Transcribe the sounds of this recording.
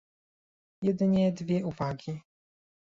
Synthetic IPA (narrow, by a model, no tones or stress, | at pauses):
jɛd̪ɘɲɛd̪vʲjɛʔuvaɡʲi